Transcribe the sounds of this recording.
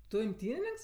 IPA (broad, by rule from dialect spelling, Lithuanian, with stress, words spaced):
ˈtʊ ɪmʲˈtʲiːnʲɪnʲɪŋks